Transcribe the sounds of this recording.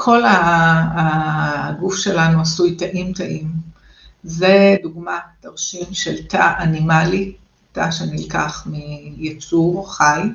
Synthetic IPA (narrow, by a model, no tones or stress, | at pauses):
kʰo̞la | ɡufʃe̞lanuasujtaʔimtaʔim | zeduɡmataʁʃimʃeltʰaʔanimali | taʃenilkaχmijet͡suvχaj